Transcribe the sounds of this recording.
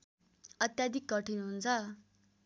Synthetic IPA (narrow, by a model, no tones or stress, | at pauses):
ʌt̪jad̪ʱikɡʌʈinuɦunt͡sʰʌ